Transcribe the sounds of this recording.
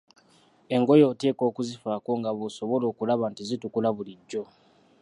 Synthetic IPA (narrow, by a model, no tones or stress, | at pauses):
e̞ŋɡo̞jo̞ːte̞ːko̞ːkuzifaːko̞ŋɡaβoso̞βo̞lo̞ːkulaβantizitukulaβuliɟːo̞